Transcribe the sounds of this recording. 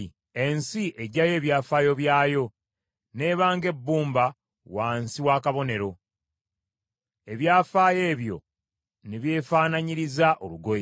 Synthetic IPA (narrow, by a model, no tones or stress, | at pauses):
e̞nsiʔe̞ɟaje̞ːβjaːfaːjo̞βjaːjo̞ | ne̞ːβaːŋɡe̞bːuːmba | waːnsiwaːkaβo̞ne̞ɾo̞ | e̞βjaːfaːje̞ːβjo̞̰ | niβje̞ːfaːnaɲiɾizaʔo̞luɡo̞je